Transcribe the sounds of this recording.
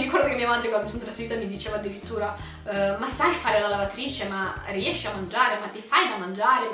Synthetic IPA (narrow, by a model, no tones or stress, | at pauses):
iɾikɔrɾd̪okemːiamad̪ɾekamesunt̪ɾasfeiːt̪amid̪it͡ʃeːvad̪ːiɾit̪ːuːɾa | masajfaːɾelalavat̪ɾiːt͡ʃemariɛʃːiamːand͡ʒaːɾemat̪ːifajd̪amːand͡ʒaːɾe